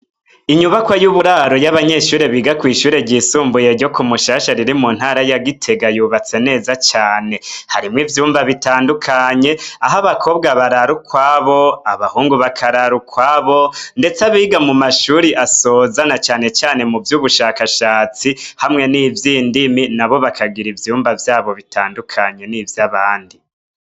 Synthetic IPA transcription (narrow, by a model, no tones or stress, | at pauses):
iɲuβakwajuβuɾaɾo̞jaβaɲe̞ʃuːɾeβiːɡakwiːʃuːɾeɟiːsuːmbuje̞ɾɟo̞kumuʃaːʃaɾiɾimun̥haɾajaɡitʰe̞ɡajuβat͡se̞ne̞ːzat͡ʃaːne̞haɾimŋivjuːmbaβitaːndukʰaɲe̞aɦaβakʰo̞ːb̚ɡaβaɾaɾukwaβo̞aβahuːŋɡuβakʰaɾaɾukwaβo̞nde̞t͡saβiɡamumaʃuːɾiʔasoːzanat͡ʃaːne̞t͡ʃaːne̞muvjuːβuʃaːkaʃaːt͡sihamŋe̞niːvjiːndiminaβo̞βakʰaɡiɾivjuːmbavjaːβo̞βitʰaːndukʰaɲe̞nivjaβaːndi